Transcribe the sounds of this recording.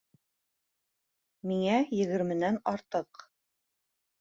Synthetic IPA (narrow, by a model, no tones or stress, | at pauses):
miŋæjɘ̆ɣɘ̆ɾmɘ̆nænɑɾt̪ɤq